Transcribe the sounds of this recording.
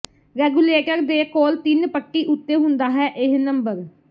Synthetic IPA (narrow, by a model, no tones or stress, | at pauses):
ɾɛːɡuːleːʈəɾd̪eːkoːlt̪ɪnpəʈːiːʔʊt̪ːeːɦʊ̃nd̪aːɦɛːʔɪɦnəmbəɾ